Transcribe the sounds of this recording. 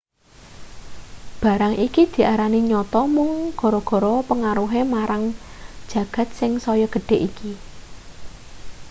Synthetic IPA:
b̥ä̤ɾaŋʔikid̪̥i̤ʔaɾaniɲɔt̪ɔmʊŋɡ̥ɔ̤ɾɔɡ̥ɔ̤ɾɔpəŋaɾuɦemaɾʔaŋd̥ʒ̥ä̤ɡ̥ä̤t̪̚sɪŋsɔjɔɡ̥ə̤ɖ̥e̤ʔiki

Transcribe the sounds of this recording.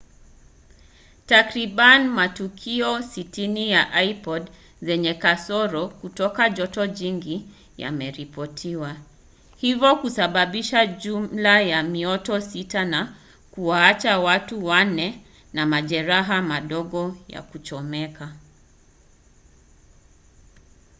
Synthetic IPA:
takɾiɓanmatukʰiɔsitinijaʔaipɔd | zɛɲɛkasɔɾɔkutɔkaʄɔtɔʄiŋɡi | ja̰mɛɾipɔtʰiwa | hivɔkusaɓaɓiʃaʄumlajamiɔtɔsitana | kuwaat͡ʃawatuwanɛ | namaʄɛɾaɦamaɗɔɠɔja̰kut͡ʃɔmɛka

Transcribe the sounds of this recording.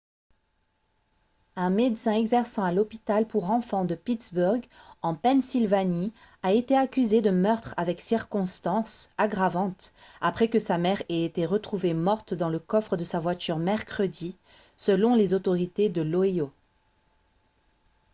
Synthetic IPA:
ɛ̃med̪sɛ̃ɛɡzɛʁsɑ̃alɔpit̪alpuʁɑ̃fɑ̃d̪əpit̪zbuʁɡɑ̃pɛnsilvani | aet̪eakʲyzed̪əmœʁt̪χavɛksiʁkɔ̃st̪ɑ̃saɡʁavɑ̃t̪apχɛkəsamɛʁeet̪eʁət̪χuvemɔʁt̪d̪ɑ̃ləkɔfχəd̪əsavwat̪yʁmɛʁkχəd̪i | səlɔ̃lezot̪ɔʁit̪ed̪əloio

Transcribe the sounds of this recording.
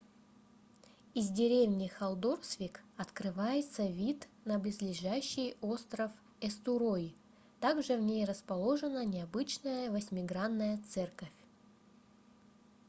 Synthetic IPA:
ɪzʲdʲɪɾʲevnʲɪxɐlˠd̪o̞rsvʲikɐt̪kɾɨvajɪt̪səvʲit̪nəblʲɪzʲlʲɪʐæɕːɪjo̞st̪ɾəf | ɛst̪ʊɾoj | t̪aɡʐɨvnʲejrəspɐlˠo̞ʐɨnənʲɪɐbɨt͡ɕnəjəvəsʲmʲɪɡɾanːəjət̪sɛrkəfʲ

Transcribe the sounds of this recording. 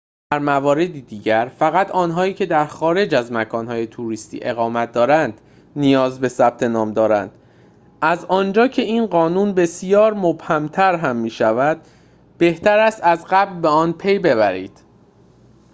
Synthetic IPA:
d̪̥æɾmævɒːɾe̞d̪iːd̪iːɟæɾfæɣæt̪ʰɒːnɦɒːiːcʰe̞d̪æɾxɒːɾe̞d͡ʒæzmækʰɒːnɦɒːje̞t̪ʰuɾiːst̪ḭːʔe̞ɣɒːmæt̪̚d̪ɒːɾænd̪̥ | nijɒːzbe̞sæb̥̚t̪ʰe̞nɒːmd̪ɒːɾænd̪̥ | ʔæzɒːnd͡ʒɒːcʰe̞iːnɢɒːnuːnbe̞sijɒːɾmob̥hæmt̪ʰæɾɦæmːiːʃævæd̪̥̚ | b̥e̞ht̪ʰæɾæst̪æzɢæblbe̞ɒːnpʰe̞jbe̞βæɾḭːd̪̥

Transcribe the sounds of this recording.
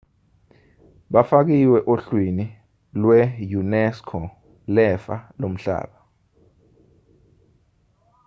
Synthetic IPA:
ɓafak̬iwɛʔoɬwini | lwɛjunɛskʰɔ | lɛfa̰lom̩ɬa̰ːɓa

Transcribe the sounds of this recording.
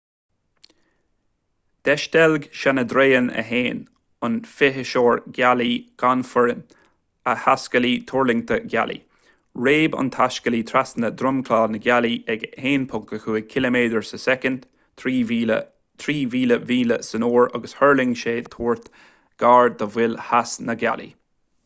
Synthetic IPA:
d̪̥ɛʃt̪ɛlɡʃanəd̪ɾeːənə̰ɦeːn | ʊnfɪɦəʃoːɹɡaliɡ̥anfəɹən | əhaskəlit̪ʰʊɹlɪŋt̪ʰəɡʲa̰lḭ | ɹeːbʊ̰nt̪ʰaskəlit̪ʰɾasnəd̪ɾʊmkʰlaːnəɡaliʔɛɡheːnpʰʊŋkəxuːəkʰɪləmeːd̪əɹsəsɛkənd̪̥ | t̪ʰɾiːviːləviːləsənoːɹa̰ɡəshɜɹlɪŋʃeːt̪ʰuːɹt̪ | ɡ̥aːɹd̪əvwɪlhasnəɡa̰lḭ

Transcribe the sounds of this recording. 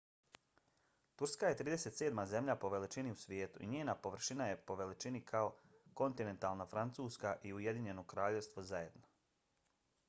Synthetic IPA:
t̪uɾskaje̞t̪ɾiːd̪e̞set̪se̞ːd̪maze̞mʎʲapo̞ʋe̞lit͡ʃiniusʋʲje̞ːt̪ṵʔḭɲeːnapo̞ʋr̩ʃinaje̞po̞ʋe̞lit͡ʃinikʰaoko̞nt̪ine̞nt̪aːlˠnafɾant̪suːskaʔiujed̪iɲe̞no̞kɾaːʎe̞ʋst̪ʋo̞zaje̞d̪no

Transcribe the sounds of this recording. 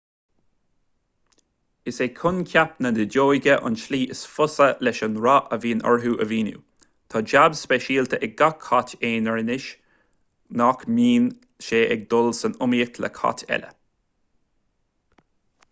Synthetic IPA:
ɪseːkʰʊnkʲʰapnəd̪ədoːjɡəʔʊ̰nʃliːʔɪsfʊsəlɛʃənɹɑʔəviːnʔɔ̰ɹɦuːʔəviːnṵː | t̪ʰɑːd͡ʒabspɛʃiːlt̪ʰəʔɛɡ̚ɡakʰːɑteːnəɹnɪʃ | nɑkmiːn | ʃeːʔɛɡ̚d̪ʊlsənʊmiəkʰlə̰kʰɑ̰tʰɛ̰lə̰

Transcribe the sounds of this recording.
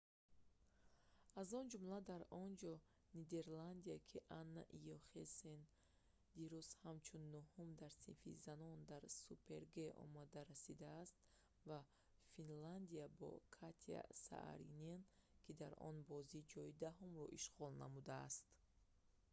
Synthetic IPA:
azɔnd͡ʒumlad̪aɾɔnd͡ʒɔ | nid̪e̞ɾland̪iakʰiʔanːa̰ʔijɔχesen | d̪iɾuzhamt͡ʃʰunːuhumd̪aɾsḭnfḭzanɔnd̪aɾsupʰe̞ɾɡeɔ̰mad̪aɾasid̪aːst̪ | va | finland̪iabɔ̰kʰat̪ʰia̰sa̰ʔa̰ɾḭnenkʰid̪aɾɔ̰nbɔzid͡ʒɔid̪aɦumɾɔ̰ʔiʃʁɔlna̰mud̪aːst̪

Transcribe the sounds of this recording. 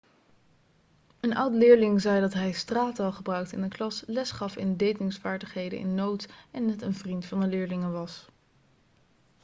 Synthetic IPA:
ənʔʌ̰wtlɪːɹlɪŋzɛjdɑtɦɛjstraːtɑlˠχəbrœɥk̚tɪ̰nəklɑslɛsχɑfɪ̰ndejtɪŋsfaːɹdəχɦejdə̰ʔɪ̰nːowtɛnːɛtənvrintfɑndəlɪːɹlɪŋənʋɑs

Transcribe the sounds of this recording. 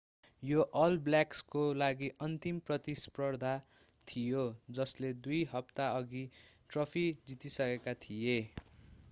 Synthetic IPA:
joʔʌlbljakskolaɡiʔʌnt̪imprʌt̪isprʌrd̪ʱa | t̪ʰijod͡zʌsled̪ujɦʌpt̪aʌɡiʈrʌpʰid͡zit̪isʌkekat̪ʰije

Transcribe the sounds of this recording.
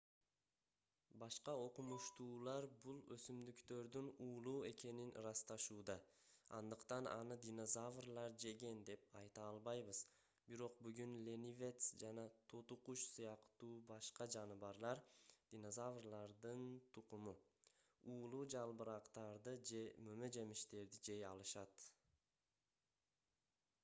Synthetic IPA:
bɑʃqɑo̞qumuʃt̪uːlˠɑɾbulˠøsymd̪ykt̪ø̞ɾd̪ynuːlˠuːe̞ke̞ninɾɑst̪ɑʃuːd̪ɑ | ɑ̰nd̪ɯqt̪ɑnɑ̰nɯd̪ʲino̞zavrlˠɑɾd͡ʒe̞ɡe̞nd̪e̞p̚ɑjt̪ɑlˠβɑjβɯz̥ | biɾo̞qbyɡynlʲe̞nivʲe̞t̪sd͡ʒɑnɑt̪ʰot̪uquʃsɯjɑqt̪uːbɑʃqɑd͡ʒɑnɯβɑɾlˠɑɾd̪̥ʲino̞zavrlˠɑɾd̪ɯnt̪ʰuqumu | uːlˠuːd͡ʒɑlˠbɯɾɑqt̪ɑɾd̪ɯd͡ʒe̞mømø̞d͡ʒe̞miʃt̪e̞ɾd̪id͡ʒe̞jɑlˠɯʃɑt̪

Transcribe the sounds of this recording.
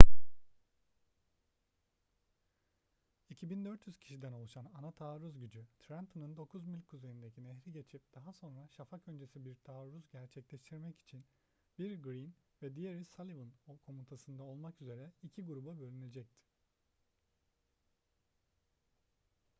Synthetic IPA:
icʰibind̪ø̞ɾt̪jyz̥cʰi̥ʃid̪ænolˠuʃananat̪ʰaːɾuzɟyd͡ʒyt̪ʰɾænt̪ʰɯnɯnd̪o̞kʰuzmilʲkʰːuzejind̪e̞cʰinɛɦɾiɟe̞t͡ʃʰip̚d̪̥aɦaso̞nɾaʃafakø̞nd͡ʒesibiɾt̪ʰaːɾuzɟæɾt͡ʃʰɛclʲɛʃt̪ʰiɾmɛci̥t͡ʃʰin | biɾɡɾin | vɛd̪ijeɾisalʲivɯnokʰo̞mut̪ʰasɯnd̪ao̞lˠmakyze̞ɾɛicʰiɡuɾubabø̞lʲyne̞d͡ʒɛc̚t̪ʰi̥

